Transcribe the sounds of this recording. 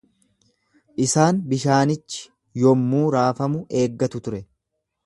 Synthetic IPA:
ʔɪsaːnbɪʃaːnɪt͡ʃːɪ̥ | jɔmːuːɾaːfɐmʊʔe̞ːɡːɐt̪ʊt̪ʊɾɛ

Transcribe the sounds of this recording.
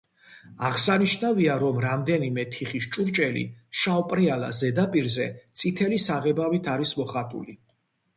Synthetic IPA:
aʁsaniʃnaviaɾɔmɾamd̪ɛnimɛt̪ʰiχiʃt͡ʃʼuɾt͡ʃʼɛlḭʃawpʼɾiala̰zɛd̪apʼiɾzɛt̪sʼit̪ʰɛlisaʁɛbavit̪ʰaɾismɔχat̪ʼṵli

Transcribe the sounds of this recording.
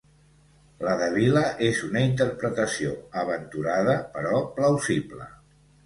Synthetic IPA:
ləðəβiləʔezunəint̪əɾpɾət̪əsioəβ̞ənt̪uɾaðəpəɾɔpləwziblə̰

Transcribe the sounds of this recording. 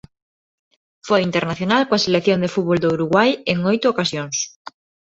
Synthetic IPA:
fojint̪eɾnaθjonalkoaselekθjond̪efut̪̚βold̪ouɾuɣwajeŋojt̪ʊokasjoŋs

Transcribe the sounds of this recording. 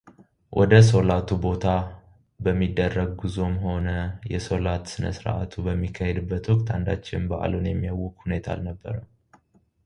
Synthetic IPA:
wʔɔ̰d̪əso̞lat̪ʰubo̞t̪ʰa | bəmːid̪ːərːəɡ̚ɡɨzo̞mho̞nəjɛso̞lat̪sɨnə̰sɾ̰ʔa̰t̪ʰubəmːikʰːahɛd̪ɨbːət̪wɔkt̪ʰand̪at͡ʃːɪnbəʔa̰lonjɛmːijawːɔkhune̞t̪ʰa̰lnəbːə̰ɾəw

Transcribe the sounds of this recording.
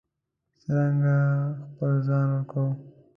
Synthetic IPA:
səɾaŋɡaxpəlzɑnwəɾkaw

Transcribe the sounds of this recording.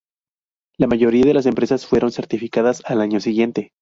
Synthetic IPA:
lamaʝo̞ɾiaðe̞las̬e̞mpɾe̞sasfwe̞ɾo̞nse̞ɾt̪ifikaðasalaɲo̞siɣje̞nt̪e̞

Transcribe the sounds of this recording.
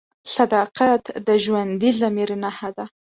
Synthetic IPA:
sad̪ɑqat̪d̪əʒwand̪izamiɾnahad̪a

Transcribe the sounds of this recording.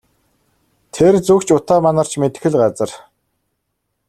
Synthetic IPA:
t̪ʰert͡sukt͡ɕʰʊt̪aːmanə̆r̥t͡ɕmet̪ɘ̆xɘ̆ɮɢat͡sə̆r

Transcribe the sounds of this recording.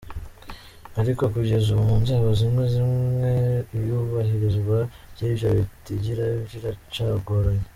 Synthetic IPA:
aɾiko̞kuɟe̞zuβumunzaːβozimŋezimŋe̞ijuβaɦiɾizɡwa | jiːβjoβitiɟiɾaβjiɾat͡ʃaːɡoɾoje

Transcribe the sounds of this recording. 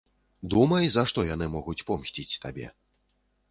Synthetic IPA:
d̪umɐjzɐaʂt̪ɔjan̪ɨmɔɣut͡sʲpɔmsʲt͡sʲit͡sʲt̪abʲɛ̰

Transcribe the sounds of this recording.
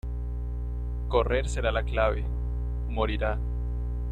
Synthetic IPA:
ko̞re̞ɾse̞ɾalaklaβe̞̰ | mo̞ɾiɾa

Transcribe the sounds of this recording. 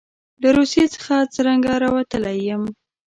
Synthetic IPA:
laɾusjet͡sə̥xat͡səɾaŋɡaɾɑwat̪əlajəm

